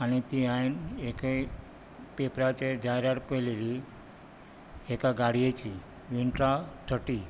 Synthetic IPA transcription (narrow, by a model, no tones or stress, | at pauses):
anit̪iajneke | pepɾat͡ʃed͡ʒajɾaɾpəlili | ekaɡaɽijet͡ʃʰi | ʋiɳʈɾaʈʰəʈi